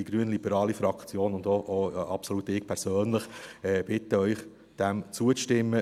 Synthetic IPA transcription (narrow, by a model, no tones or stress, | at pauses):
iɡɾyənlibəɾɑːlifɾɑkt͡sjoːnʊnd̪oʔoɑpsolut̪ɪːkpʰɛɾsøːnləχɛb̥ɪt̪əœʏχ | d̥ɛmt͡suətɪmːə